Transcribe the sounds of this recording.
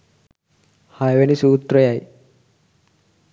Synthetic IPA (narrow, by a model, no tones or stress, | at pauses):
hajʋɐnisuːt̪ɾɔjaːji